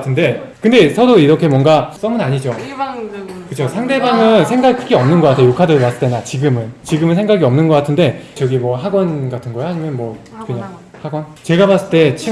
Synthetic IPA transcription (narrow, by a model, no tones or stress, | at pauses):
tʰɯnde̞ | kɯnde̞sʰʌdoiɾʌkʰe̞mwʌŋɡas͈ʌmɯnaɲid͡ʑo | kɯt͡ɕʰosʰaŋde̞baŋɯnsʰeŋɡaɡikʰɯɡeʌmnɯnɡʌk͈atʰejokʰadɯpas͈ɯɭt͈e̞nat͡ɕiɡɯmɯnt͡ɕiɡɯmɯnsʰeŋɡaɡiʌmnɯnɡʌk͈atʰɯnde̞t͡ɕʌɡimwʌɦaɡwʌnɡatʰɯnɡʌeohaɲimjʌnmwʌkɯɲaŋ | haɡwʌnt͡ɕe̞ɡabas͈ɯɭt͈e̞t͡ɕʰi